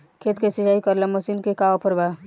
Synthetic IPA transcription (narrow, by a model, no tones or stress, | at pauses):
kʰeːt̪kesɪɦaːikəɾlaməsinkekaopəɾbaː